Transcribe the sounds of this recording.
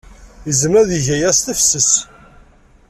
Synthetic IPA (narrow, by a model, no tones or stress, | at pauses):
əzəmæðiʝæjæst̪əfsəs